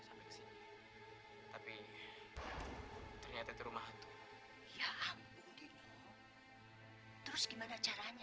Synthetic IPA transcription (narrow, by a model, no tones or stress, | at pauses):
sampɛkə̥sini | t̪api | t̪ərɲat̪ait̪uɾumaɦt̪u̥ | jaham | id̪i | t̪əɾʊsɡimanat͡ʃaɾaɲa